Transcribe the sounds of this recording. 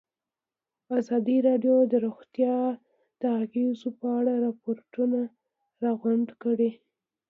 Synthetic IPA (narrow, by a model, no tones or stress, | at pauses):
azɑd̪iɾɑɖjod̪əɾoxt̪jɑ | d̪̥əaɣezopəaɽaɾɑpoɾʈuna | ɾɑɣwaɳɖkəɽe